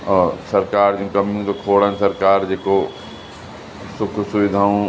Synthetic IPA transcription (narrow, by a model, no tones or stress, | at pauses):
ɔːsəɾkaːɾd͡ʒõkɐmijũt̪okʰoːɽənsəɾkaːɾd͡ʒeːko | sʊkʰsʊʋɪd̪ʱaːõ